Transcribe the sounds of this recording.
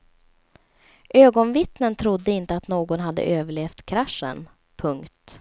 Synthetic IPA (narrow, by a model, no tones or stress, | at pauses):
ʔøːɡɔnvɪt̪nənt̪ʰɾʊd̪ːəɪnt̪əat̪noːɡɔnɦad̪ːə̰ʔøːvəɭeːft̪kʰɾaʂːə̰n | pʰɵŋkt̪